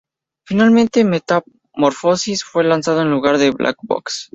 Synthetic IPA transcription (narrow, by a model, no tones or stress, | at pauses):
finalmẽnt̪e̞me̞t̪a | mo̞ɾfo̞sisfwe̞lansað̞oenluɣaɾðeβlʔa̰kbo̰ks